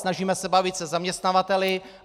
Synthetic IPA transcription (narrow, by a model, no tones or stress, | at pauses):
naʒiːmɛsɛbavɪt̪sɛzamɲɛst̪navat̪ɛlɪ